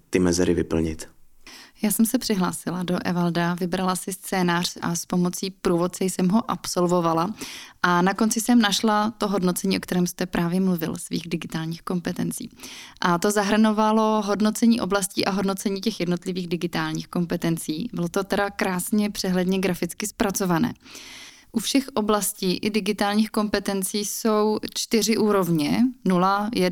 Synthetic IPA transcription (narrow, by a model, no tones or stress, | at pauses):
t̪ɪmɛzɛɾɪvɪpl̩ɲɪ̰t̪ | jaːsɛmsɛpr̝̥ɪɦlaːsɪlado̞ʔɛ̰valdavɪbɾalasɪst͡sɛːnaːr̝̥a̰spo̞mo̞t͡siːpɾuːvo̞t̪̚sɛjsɛmɦo̞ʔapso̞lvo̞valaʔanako̞nt͡sɪsɛmnaʃlat̪o̞ɦo̞dno̞t͡sɛɲiːʔo̞k̚t̪ɛɾɛːmst̪ɛpɾʔaːvjɛmluvɪ̰lsvḭːɣdɪɡɪt̪aːlɲiːxko̞mpɛt̪ɛnt͡sḭːʔat̪o̞zaɦr̩no̞valo̞ɦo̞dno̞t͡sɛɲiːʔo̞blasciːʔaɦo̞dnot͡sɛɲiːcɛxjɛdno̞t̪lɪviːɣdɪɡɪt̪aːlɲiːxko̞mpɛt̪ɛnt͡siːbɪlot̪o̞t̪ɛdakɾaːsɲɛpr̥ɛɦlɛdɲɛɡɾafɪt͡skɪspɾat͡so̞vanɛ̰ː | ʔufʃɛxʔo̞blasciːʔɪdɪɡɪt̪aːlɲiːxko̞mpɛt̪ɛnt͡siːso̞wt͡ʃt̪ɪr̝ɪʔuːɾo̞vɲɛnulajɛ